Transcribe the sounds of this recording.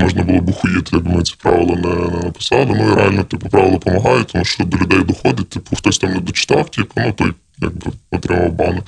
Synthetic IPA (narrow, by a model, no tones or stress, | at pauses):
mɔʒnɐbʊlˠɔbʊxʊjɪt̪ɪjɐɡ̚bmɪnɪt͡sʲi̥pɾɑ̰ʋɪlˠɔnɛnɛnɐpɪ̥sɑlˠɪnuiɾɛalʲnɔt̪ipʊpɾɑʋɪlˠɐpɔmɐɦɑjʊt̪ɔmuʃt͡ʃɔd̪ɔlʲʊd̪ɛjd̪ɔxɔd̪ɪt̚ʲt̪ɪpʊxt̪ɔsʲt̪ɑmnɛd̪ɔt͡ʃɪ̥t̪ɑwtʲɐknut̪ɔj | ja̰ɡ̚bɪɔt̪ɾɪmɐwbɑnɪ